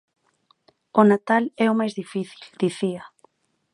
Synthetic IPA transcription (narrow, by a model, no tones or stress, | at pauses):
onat̪alɛomajzðifiθi̥ld̪̥iθiɐ